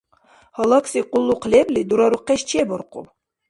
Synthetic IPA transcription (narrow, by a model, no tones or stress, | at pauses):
hɑlˠɑksiqʊlˠːuqʰlʲeblʲid̪uɾɑɾuqːɛʃt͡ʃeboɾqṵw